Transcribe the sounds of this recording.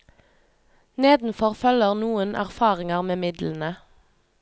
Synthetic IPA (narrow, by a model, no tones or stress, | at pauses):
neːd̪n̩fɔʁfœləʁnuːənʔæ̰ʁfɑːʁɪŋəʁmeːmɪd̪ln̩ə